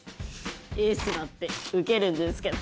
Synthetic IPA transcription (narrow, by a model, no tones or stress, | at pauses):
esɨnat̪ːeɯkeɾɯ̟̃nd̪esɨ̥ke